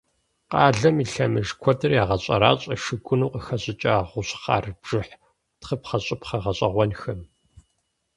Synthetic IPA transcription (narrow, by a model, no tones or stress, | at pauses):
qɑːɮɐmiːɬɐmɨʒkʷʰɔdɨrjaːʁɐɕʼɐ̰ɾa̰ːɕʼɐʃɨɡʷʊnuːqəxɐɕʼɪt͡ʃʼaːʁʷʊɕχɑ̰ːrbʒ̥ɨħ | tχəpχɐɕʼɪpχɐʁɐɕʼɐʁʷɔnxɐm